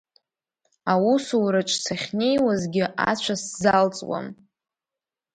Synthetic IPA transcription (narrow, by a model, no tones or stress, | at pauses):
awusuɾaʈ͡ʂʼsʰaχʲne̞jwazɡʲɪʔa̰t͡ɕʷʰaszalt͡sʼwa̰n